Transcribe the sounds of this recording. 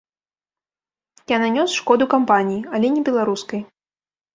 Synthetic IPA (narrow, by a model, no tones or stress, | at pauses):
jananʲɔsʂkɔd̪ukampanʲijiɐlʲɛnʲɛbʲɛlˠaɾuskɐj